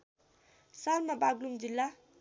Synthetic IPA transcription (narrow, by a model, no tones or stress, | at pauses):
salmabaɡlumd͡zilːa